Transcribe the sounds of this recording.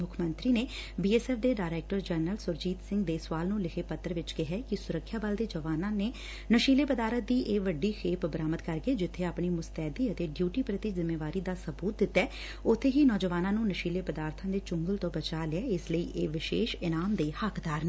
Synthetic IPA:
mʊkʰmənt̪ɾiːneː | biːɛːsɛːfd̪eːɖaːɪɾɛːk̚ʈəɾd͡ʒɛːnəlsʊɾd͡ʒiːt̪sɪ̃ŋɡd̪eːsʋaːlnũːlɪkʰeːpət̪ɾʋɪt͡ʃkɪɦɛːkɪsʊɾəkʰːjaːbəld̪eːd͡ʒəʋaːnãːneː | nəʃiːleːpəd̪aːɾət̪̚d̪iːʔeːʋəɖiːxʰeːpbəɾaːmət̪kəɾɡeːd͡ʒɪt̪ʰːeːaːpɳiːmʊst̪ɛːd̪iːət̪eːɖjuːʈiːpɾət̪izɪmːeːʋaːɾiːd̪aːsəbuːt̪̚d̪ɪt̪ːɛː | ʊt̪ʰːeːɦiːnɔːd͡ʒəʋaːnãːnũːnəʃiːleːpəd̪aːɾt̪ʰãːd̪eːt͡ʃʊŋɡəlt̪õːbət͡ʃaːlɪɛːɪsləiːʔeːʋɪʃḛːʃɪnaːmd̪eːhəkd̪aːɾnː

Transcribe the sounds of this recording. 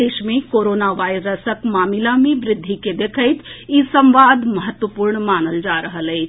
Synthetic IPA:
eːʃmẽkoːɾoːnaʋaːɪɾəsəkmaːmɪlamẽʋɾɪd̪ʱːiked̪eːkʰəɪt̪isə̃mʋaːd̪mɐɦət̪ʋəpuːɾɳmaːnəld͡ʒaːɾəɦəlɛː

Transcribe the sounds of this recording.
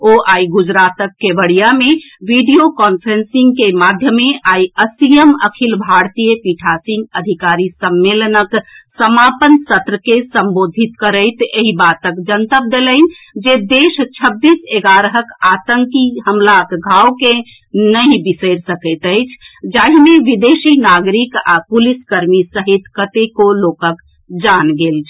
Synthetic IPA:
oʔaiɡud͡ʒɾat̪əkːebəɽijame | ʋiɖijokɔnpʰɾensĩŋɡkemad̪ʱjəmeʔaiəsijəməkʰilbʱaɾt̪ijəpiʈʰasĩŋɡəd̪ʱikaɾisəmːelənəksəmapənsət̪ɾəkesəmbod̪ʱit̪kəɾəɪt̪eɦibat̪əkd͡ʒənt̪əp̚d̪eləɪn̆ | d͡ʒed̪est͡ʃʰəbːiseɡaɾəɦəkat̪əŋkiɦəmlakɡʱawke | nəĩbisəɪɾsəkət̪əjt͡ʃʰd͡ʒaɦimeʋid̪esinaɡɾika̰puliskəɾmisəɦit̪kət̪ekolokək | d͡ʒanɡelt͡ʃʰ

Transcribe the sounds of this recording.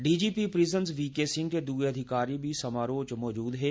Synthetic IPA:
ɖiːd͡ʒiːpipɾɪzənsʋiːkeːsɪ̃ŋɡked̪uːeɐd̪ʱɪkaːɾibʱisɐmaːɾoːt͡ʃmɔːd͡ʒuːd̪ɦɛː

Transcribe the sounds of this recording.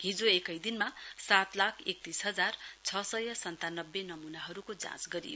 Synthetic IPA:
ɦĩd͡zoekʌjd̪inmasat̪lakʰek̚t̪isɦʌd͡zart͡sʰʌsʌjʌsʌnt̪anʌbːenʌmunaɦʌɾukod͡zã̰t͡sɡʌɾḭjo

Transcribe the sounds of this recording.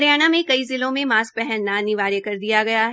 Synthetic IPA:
ɾjaːñamẽkɐizɪlõmẽmaːsk̚pɛɦɛnːanɪʋaːɾekɐɾd̪ijaɡɐjaɦ

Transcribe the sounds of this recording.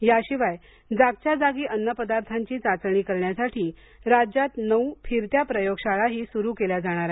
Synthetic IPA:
jaɕiʋaj | d͡zaɡ̚t͡ɕjad͡zaɡiːʔənːəpəd̪aɾt̪ʰaɲt͡ɕiːt͡sat͡sɳ̃iːkəɾɳjasaʈʰiː | ɾad͡ʑat̪nəwfʰiɾt̪japɾəjoɡɕaɭaɦiːsuɾuːkelad͡zaɽ̃aɾa

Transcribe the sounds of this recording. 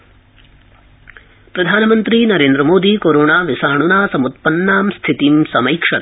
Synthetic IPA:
pɾɐd̪ʱaːnɐmɐnt̪ɾinɐɾeːnd̪ɾɐmoːd̪ikoːɾoːɳaːʋisaːɳunaːsɐmut̪̚pɐnːaːmst̪ʰit̪imsɐmɐjkʂɐt̪

